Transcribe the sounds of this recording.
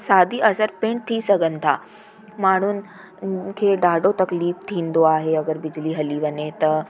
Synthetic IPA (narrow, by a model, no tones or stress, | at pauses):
saːd̪ʱiʔɐsəɾpẽːɳʈ̚t̪ʰisɐɡʱənɪ̆t̪ʰaː | maːɳ̤ʊnɪ̆ | kʰeːɖaːɖot̪ɐkliːft̪ʰĩːnd̪oaːɦeɐɡəɾbɪd͡ʑliɦɐliʋɐɲet̪ɐ